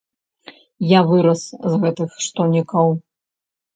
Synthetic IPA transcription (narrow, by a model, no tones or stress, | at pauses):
javɨɾɐszɣɛt̪ɨxʂt̪ɔnʲikɐw